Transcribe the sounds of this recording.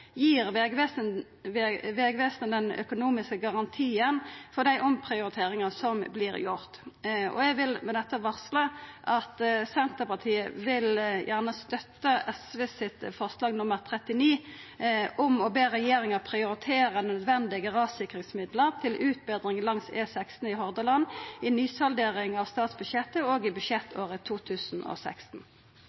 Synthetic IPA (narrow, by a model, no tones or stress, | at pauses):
jiːʁʋeʋs | ʋeːɡʋeːsnəd̪ɛnœ̰kʊnuːmɪskəɡɑʁɑnt̪ʰiːənfɔd̪æɪʔɔmpʰʁɪʊɾɪt̪ʰeːʁɪŋəsɔmblɪːɾjʊʁt̪ɔ̰ɛɡʋɪlmɛd̪ɛt̪ːəʋɑʁsləʔɑt̪sɛnt̪əpɑt̪ʰiːəʋɪljʔæʁnəst̪œt̪ːəɛsʋesɪt̪fɔʁslɑːɡnʊməʁt̪ʰʁɛt̪ɪniː | ʔʊmɔbeːʁɛjeːʁɪŋəʁpʰʁɪʊɾɪt̪ʰeːʁənœd̪ʋɛnd̪ɪɡəʁɑːʋsɪkʁɪŋsmɪd̪ləʁt̪ʰɪlʔʉːt̪̚bɛːd̪ʁɪŋlɑŋseːsækst̪n̩ɪɦɔʁd̪əlɑnɪnyːsɑld̪eːʁɪŋɑʋst̪ɑːt̪sbʉʃɛt̪ːəoːɡɪbʉʃjɛt̪ːoːʁət̪ʰuːt̪ʰʉːsn̩ɔ̰sæ̰kst̪n̩